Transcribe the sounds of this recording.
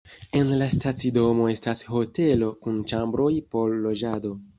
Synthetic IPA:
e̞nlastat͡sido̞mo̞e̞stasho̞te̞lo̞kunt͡ʃambɾo̞jpo̞lːo̞d͡ʒado̞

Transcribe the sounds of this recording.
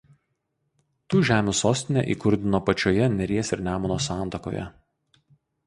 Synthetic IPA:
t̪uːʒʲæːmʲuːsoːsʲt̪ʲɪnʲɛ̰ːʔḭːkʊɾʲd̪ʲɪnoːpɐt͡ʃʲoːjɛnʲɛɾʲiɛsʲɪɾnʲæːmonoːsɑːˑnˑt̪ɐko̰ːjɛ̰

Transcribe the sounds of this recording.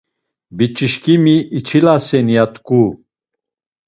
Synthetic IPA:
bit͡ʃʼiʃkʼimiːt͡ʃʰilasɛnjat̪ʼkʼu

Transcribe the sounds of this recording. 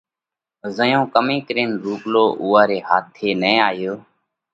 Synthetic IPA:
zəjõːkəmĩːkəɾeːnɾuːkloːʔuːaːɾeːɦaːt̪ʰeːnẽːaːjoː

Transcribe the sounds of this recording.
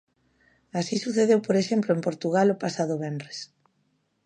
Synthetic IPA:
asisuθeðewpoɾeʃemploempoɾt̪uɣalopasaðʊβɛndɾes

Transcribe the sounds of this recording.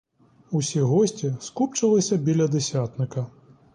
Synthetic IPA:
usʲiɣɔsʲt͡sʲiskupt͡ʂɐlˠɐsʲɐbʲilʲɐd̪ɛsʲat̪nɨkɐ

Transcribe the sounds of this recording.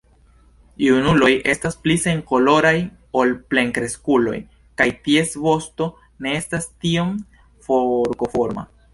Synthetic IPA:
junulo̞jʔe̞stasplise̞ŋko̞lo̞ɾaj | o̞lple̞ŋkɾe̞skulo̞̰j | kajtie̞svo̞sto̞ | ne̞e̞stastio̞m | foɾko̞fo̞ɾma̰

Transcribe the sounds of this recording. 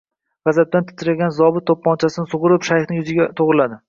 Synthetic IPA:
ʁɑzat̪̚d̪ant̪ʰɪ̥t̪ʰɪɾalʲɡʲanzɒbɪt̪ːopːɒnt͡ʃʰasɪnɪsʊʁʊɾɪpʃajχnɪŋjʊzɪɡʲat̪ʰoʁɾɪlad̪ɪ

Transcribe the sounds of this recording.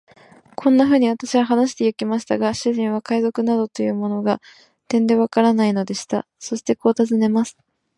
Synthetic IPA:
kʰõ̞nːaɸɯ̟ːɲ̟iβ̞at̪aɕiβaɦanaɕi̥t̪e̞jɯ̟kʲimaɕi̥t̪aɡaɕɨʑĩɰ̃β̞akaizo̞kɯ̟nad̪o̞t̪o̞jɯ̟ːmo̞no̞ɡa | t̪ẽ̞nd̪e̞β̞akaɾanaino̞d̪e̞ɕi̥t̪a̰ | so̞ɕi̥t̪e̞ko̞ːt̪azɨne̞masɨ̥

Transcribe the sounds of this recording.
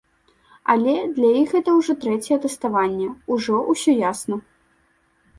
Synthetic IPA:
ɐ̰lʲɛd̪lʲɐjixɣɛt̪ɐwʐɔt̪ɾɛt͡sʲɛjɛt̪ɛst̪avanʲːɛuʐɔʔusʲɔjasnɐ

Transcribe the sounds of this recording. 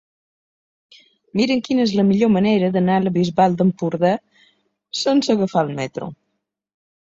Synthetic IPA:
miɾəŋkinəezləmiʎoməneɾəðənaləβizβalˠd̪əmpuɾðɛ | sənsəɣəfalˠmɛt̪ɾṵ

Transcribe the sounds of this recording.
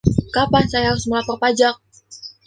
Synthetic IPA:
kapansajaʊsmulapərpad͡ʒak̚

